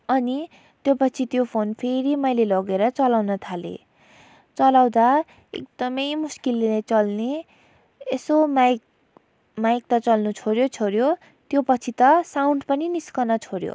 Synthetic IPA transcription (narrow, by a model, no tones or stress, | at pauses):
ʌni | t̪jopʌt͡sʰit̪jopʰonpʰeɾimʌjlelʌɡeɾʌt͡sʌlawnʌt̪ʰalḛ | t͡sʌlawd̪a | ḛk̚d̪ʌmʌjmuskillet͡sʌlne | esomaj | majk̚t̪ʌt͡sʌlnut͡sʰoɾjot͡sʰoɾjo | t̪jopʌt͡sʰit̪ʌsawɳɖpʌniniskʌnʌt͡sʰoɾjo̰